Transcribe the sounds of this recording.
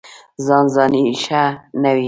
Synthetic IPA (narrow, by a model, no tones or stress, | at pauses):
zɑnzɑːniʃanawi